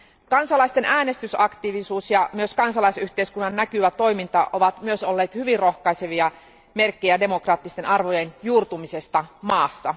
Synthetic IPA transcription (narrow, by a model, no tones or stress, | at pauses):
kɑnsɑlɑist̪e̞nʔæːne̞st̪ysɑkt̪iʋisuːsjɑmyø̞skɑnsɑlɑjsyht̪e̞iskunːɑnːækyʋæt̪o̞jmint̪ɑʔo̞ʋɑt̪myøso̞lːe̞ːt̪hyʋirro̞xkɑjse̞ʋiɑ | me̞rkːejæde̞mo̞krɑːt̪ːist̪e̞nʔɑrʋo̞je̞njuːrt̪umise̞st̪ɑmɑːsːɑ